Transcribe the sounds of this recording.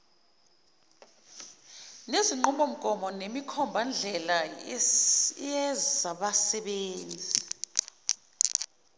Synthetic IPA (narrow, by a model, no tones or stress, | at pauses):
neziŋ͡ǃumbʱom̩kʼɔmɔnemikʰɔmbʱand͡ɮʱɛla | jɛaɓasɛɓeːnd͡zʱi